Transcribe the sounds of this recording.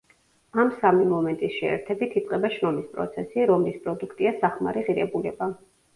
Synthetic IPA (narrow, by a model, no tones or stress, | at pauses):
amsamimɔmɛnt̪ʼisʃɛɛ̰ɾt̪ʰɛbit̪ʰit̪sʼqʼɛbaʃɾɔmispʼɾɔ̰t̪sʰɛsiɾɔmlispʼɾɔd̪ukʰt̪ʼiasaχma̰ɾiʁiɾɛbulɛba